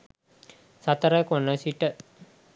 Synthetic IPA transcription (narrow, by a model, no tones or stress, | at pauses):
sat̪əɾəkonəsiʈə